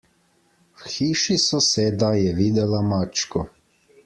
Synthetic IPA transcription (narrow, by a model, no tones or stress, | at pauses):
wxiːʃisɔseːd̪ajɛʋiːd̪ɛlamat͡ʃkɔ